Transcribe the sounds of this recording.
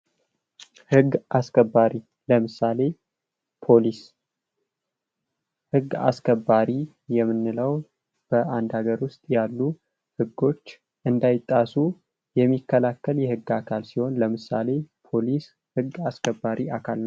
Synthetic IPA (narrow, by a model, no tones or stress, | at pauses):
hɨɡʔaskʰəbːaɾi | ləmɨsale̞ | pʰolis | hɨɡːa̰skʰəbːaɾi | jɛmːɨnːɨləw | b̥əʔand̪haɡəɾwʊst̪ʼjalːu | hɨɡːo̞t͡ʃː | ʔɨnd̪ajɪt̪ʼːasu | jɛmːikʰːəlakːəljɛhɨɡːakʰalsiho̞nləmɨsale̞pʰo̞lis | hɨɡːaskʰəbːaɾiʔakʰalnəw